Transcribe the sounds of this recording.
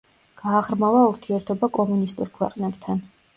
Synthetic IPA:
ɡ̥aːʁɾmavauɾt̪ʰiɛɾt̪ʰɔbakʼɔmunist̪ʼṵɾkʰwɛ̰qʼnɛbt̪ʰan

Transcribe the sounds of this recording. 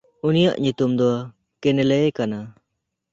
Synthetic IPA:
unija̰ʔɲut̪umd̪ɔ | kɛnɛlɛkana

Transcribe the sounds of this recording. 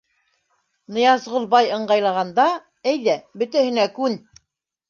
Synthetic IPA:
nɤ̆jɑzʁŏlˠbɑjɤ̆ɴɢɑjlˠɑʁɑnd̪ɑ | æjðæbɵ̆t̪æhɘ̆nækʉn

